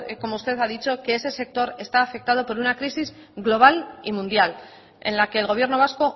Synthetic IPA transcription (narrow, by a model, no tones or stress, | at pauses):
ko̞moust̪e̞ðaðit͡ʃo̞ke̞ese̞se̞k̚t̪o̞ɾe̞st̪aːfe̞k̚t̪að̞o̞po̞ɾunakɾisiz | ɣlo̞β̞alimũnd̪jal | e̞̰nlake̞ːlɣ̞o̞β̞je̞ɾno̞β̞asko̞